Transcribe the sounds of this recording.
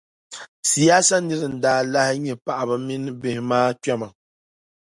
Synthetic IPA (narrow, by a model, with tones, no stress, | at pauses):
si˨jaː˦sa˦nɨ˦ɾɨ˨n̩˨daː˨˦la˦hɪ˦ɲɛ˨pa˨ʔa˨bɨ˨mi˦nɨ˦bɪ˨hɪ˨maː˦ta˦ma˨